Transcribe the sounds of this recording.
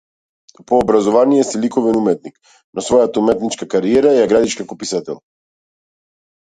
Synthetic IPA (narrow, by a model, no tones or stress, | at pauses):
poːbɾazɔvanijɛsilikɔvɛnumɛt̪̚nik | nosvɔjat̪aumɛt̪nit͡ʃkakaɾiɛɾajaɡɾad̪it͡ʃkakopisat̪ɛlˠ